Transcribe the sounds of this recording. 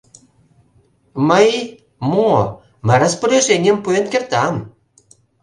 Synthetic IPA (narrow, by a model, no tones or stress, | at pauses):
məj | mo | mə̆ɾə̆sporʲeʒenʲempuenkʲert̪ɑm